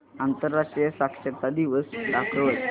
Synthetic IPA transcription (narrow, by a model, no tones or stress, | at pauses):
ant̪əɾːaʂʈɾijəsakʂət̪ad̪iʋəsɖakʰɾəʋət̪